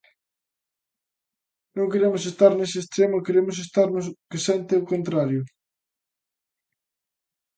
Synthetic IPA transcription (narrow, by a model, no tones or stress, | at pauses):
nõŋkeɾemʊsest̪aɾneseːst̪ɾemʊkeɾemʊsest̪aɾnʊs̬kesent̪eokont̪ɾaɾjʊ